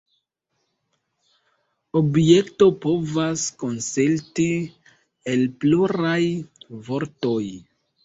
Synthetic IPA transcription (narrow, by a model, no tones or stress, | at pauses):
obje̞kto̞po̞vasko̞nselti | e̞lpluɾajvo̞ɾto̞j